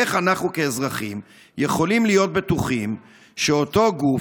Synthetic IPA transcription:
eχanaχnuke̞ːzʁaχim | je̞χo̞limlijo̞t̪̚betuχim | ʃeo̞to̞ɡu

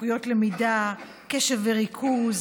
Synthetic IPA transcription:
ujo̞tlemida | keʃeveʁikʰuz

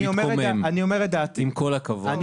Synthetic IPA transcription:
omomemaniomeʁed̪aːt̪imkolakɐvan

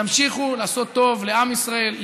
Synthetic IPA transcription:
amʃiχulaːso̞t̪ːo̞vle̞amisʁae̞lː

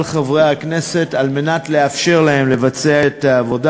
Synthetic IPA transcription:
lχavʁejhakne̞se̞talme̞natle̞afʃe̞ʁlae̞mle̞vat͡seaetaːvo̞da

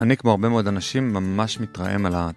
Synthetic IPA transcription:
anikmoaʁbe̞meod̪anaʃimːamaʃmit̪ʁa̰ʔḛmala

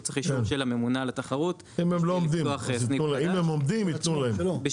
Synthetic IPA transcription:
t͡seχikenʃelamemunalat̪aχaʁut̪ | imemloomd̪imχsinulaimemo̞md̪imitnulaheb

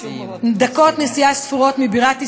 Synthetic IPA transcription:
d̪akɔt̪nesijasfiʁɔt̪mibiʁat̪i

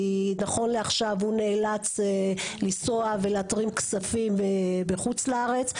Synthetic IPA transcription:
naχo̞nleaχʃavhuneːlat͡selisoave̞leatʁimksafimebeχut͡slaaʁe̞t͡s

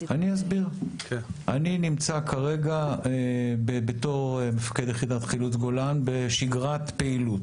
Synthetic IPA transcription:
aniazbiʁkʔaninimt͡sakʰaʁe̞ɡa | bebeto̞ʁmefḁkedjeχidat̪χilut͡sɡo̞lanbe̞ʃiɡʁat̪peilut

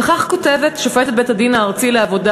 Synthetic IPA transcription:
eχaχko̞te̞vet̪ʃofettbetadinaːʁt͡sileavo̞da

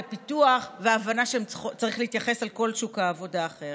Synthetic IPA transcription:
pituaχveaːvanaʃeemt͡saʁiχlehitjaχe̞salko̞lʃukaːvo̞daːχe̞ʁ

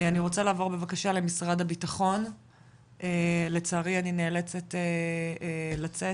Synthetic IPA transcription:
aniʁo̞t͡salaːvo̞be̞vakaʃale̞misʁadhabitaχo̞n | ele̞t͡saːʁianineːlet͡sete | lat͡se

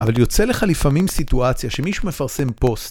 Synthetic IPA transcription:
avaljo̞t͡se̞le̞χalifamimsit̪uat͡sjaʃe̞miʃume̞faʁse̞mpo̞st̪

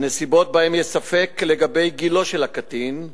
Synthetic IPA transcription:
nesibo̞t̪̚bahemjesafe̞kle̞ɡabe̞jɡilo̞ʃelhakatin

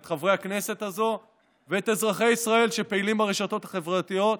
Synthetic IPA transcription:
t̪χavʁeakne̞se̞t̪azo̞ | veetezʁaχe̞jisʁae̞lʃepeilimaʁeʃato̞t̪hḁχe̞vʁat̪ijo̞t̪̚

